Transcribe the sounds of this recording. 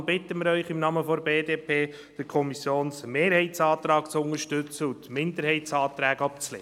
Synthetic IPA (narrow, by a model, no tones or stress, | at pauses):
bɪt̪ːəmɪɾœʏχɪmnɑməfɔɾbeːdeːpʰeː | d̥ɪkʰɔmisjoːnsmeːɾhɛɪtt͡sɑːt̪ɾɑːkt͡sʊŋəɾʃtʏt͡səut̪mɪnd̪əɾhɛɪtsɑːt̪ɾæːɡɑp̚t͡slḛː